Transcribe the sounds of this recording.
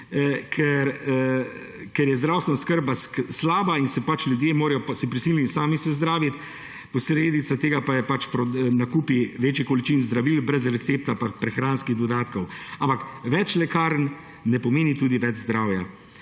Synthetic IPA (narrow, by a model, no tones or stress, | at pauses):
kʰɛɾ | kɛɾjɛzd̪ɾawst̪ʋɛnaskəɾbasslaːbainsɛpat͡ʃlʲjud̪jeːmoːɾɛjɔpsipɾisiːlisaːmisɛzd̪ɾaːʋit̪ | pɔsɾeːd̪it̪sat̪eːɡapajɛpat͡ʃpɾɔnakuːpiʋeːt͡ʃjikɔlit͡ʃinzd̪ɾaʋilbɾɛzɾɛt̪seːp̚t̪apapɾɛxɾaːnskiɣd̪ɔd̪aːt̪kɔwampakʋɛt͡ʃlɛkaːɾn | nɛpɔmeːnit̪uːd̪iʋɛd͡ʒzd̪ɾaːwja